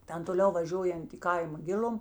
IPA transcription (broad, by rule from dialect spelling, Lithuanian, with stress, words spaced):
ˈtʲɛn toːˈlʲɛʊ ʋɐˈʒʲuɔjɛnt ɪ ˈkɐɪmɐ ˈɡʲɪlʲʊm